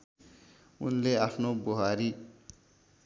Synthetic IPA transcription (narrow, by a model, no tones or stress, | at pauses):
unleapʰnoboɦaɾi